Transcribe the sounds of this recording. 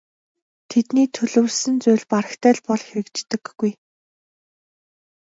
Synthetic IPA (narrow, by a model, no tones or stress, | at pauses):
t̪ʰet̪niːt̪ʰɵɮɵ̆wɮsɘ̆nt͡sʊːɮpaɾə̆xt̪ʰæːɮpɔɮxeɾɘ̆kt͡ɕt̪ɘ̆kːuj